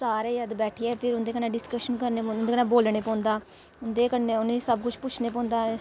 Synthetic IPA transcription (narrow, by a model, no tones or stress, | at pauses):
saːɾeːjəd̪bɛːʈʰiɛːpʰɪɾʊnd̪eːkənẽːɖɪskəʃənkəɾneːpːnʊnd̪ekənẽːboːlɳeːpɔ̃ːnd̪aː | ʊnd̪eːkənːeːʊnẽsəbkʊt͡ʃʰpʊt͡ʃʰneːpɔ̃ːnd̪aː